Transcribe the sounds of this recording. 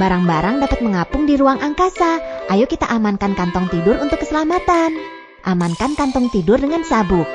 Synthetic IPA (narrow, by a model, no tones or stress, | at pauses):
baɾaŋbaɾaŋdapat̪̚məŋapʊŋdiɾuaŋʔaŋkasaʔajukit̪a̰ʔamankankant̪ɔŋt̪idʊrunt̪ʊkːəsəlamat̪an | ʔamankankant̪ɔŋt̪idʊrdəŋansabʊk̚